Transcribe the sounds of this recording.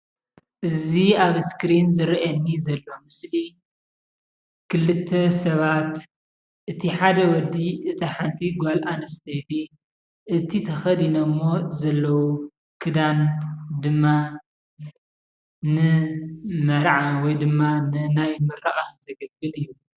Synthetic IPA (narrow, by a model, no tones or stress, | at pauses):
ʔɨziaβskɾinzɨɾʔɐnːizɐlːo̞mɨsli | kʰɨlːɨt̪ʰːɐsɐβat̪ | ʔɨt̪ʰiħad̪ɐwɔd̪iʔɨt̪ʰɐħant̪ʰiɡʷalʔanɐst̪ʰɐjt̪i | ʔɨt̪ʰit̪ʰɐxɐd̪inɐmːo̞zɐlːɐwu | kʰɨd̪and̪ɨmːa | nɨ | mɐɾʕawɔjd̪ɨmːanɨnajmɐɾaʔʼazɐɡɐbbɨlɨjːu